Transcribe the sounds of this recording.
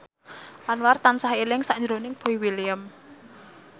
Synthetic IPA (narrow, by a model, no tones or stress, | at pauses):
ʔanwart̪ansaɦelɪŋsaʔɲd͡ʒɾonɪŋb̥oiwiliəm